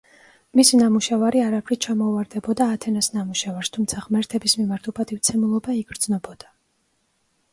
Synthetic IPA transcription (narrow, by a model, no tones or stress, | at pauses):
misinamuʃavaɾiaɾapʰɾit͡ʃʰamɔuvaɾd̪ɛbɔd̪aːt̪ʰɛnasnamuʃavaɾst̪ʰumt̪sʰaʁmɛɾt̪ʰɛbismimaɾt̪ʰupʰʼat̪ʼift̪sʰɛmulˠɔbaiɡɾd̪znɔbɔd̪̥a